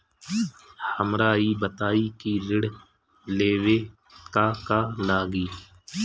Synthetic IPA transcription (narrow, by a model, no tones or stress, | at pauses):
həmɾaːibət̪aːikiɾɪɽ | leːwe | kaːkaːlaːɡiː